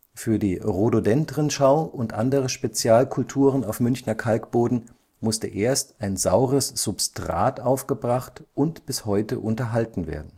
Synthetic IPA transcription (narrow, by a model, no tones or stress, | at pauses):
fyːɐdiːʁododɛntʁənʃaʊʊntʔandəʁəʃpet͡sjaːlkʰʊltʰuːʁ̞ənaʊfmʏnçnɐkʰalkb̥oːdn̩ | mʊstə̰ʔeːɐstaɪnzaʊʁəsz̥ʊpstʁ̥a̰ːtʔaʊfɡ̥əbʁaχtʔʊntb̥ɪshɔʏtə̰ʔʊntɐɦaltn̩vḛːɐdn̩